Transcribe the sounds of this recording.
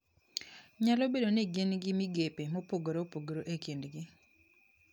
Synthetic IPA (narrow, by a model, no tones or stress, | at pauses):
ɲalobedoneɡenɡɪmiɡepemopoɡoɾopoɡɾoʔekindɡɪ